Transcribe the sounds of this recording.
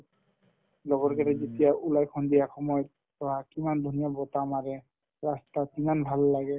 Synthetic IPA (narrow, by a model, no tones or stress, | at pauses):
lɔɡɔɾkaɾɛd͡ʒit̪ijaʔulajkʰɔnd̪ijaxɔmɔj | t̪ɔɦakimand̪ʱunijabɔt̪amaɾɛ | ɾast̪akimanbʱalːaɡɛ